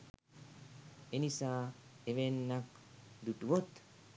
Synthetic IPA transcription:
enisaːeʋenːɐk | d̪uʈuʋot̪

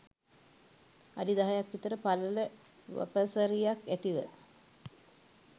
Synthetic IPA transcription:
adid̪aɦajakʋit̪əɾəpalələ | ʋə̰pəsəɾijakæt̪iʋə

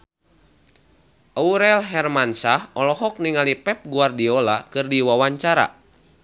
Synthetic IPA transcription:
ʔauɾɛlɦɛrmansahɔlɔɦɔk̚niŋalipɛp̚ɡuardiɔlakɨrdiwawaɲt͡ʃaɾa̰

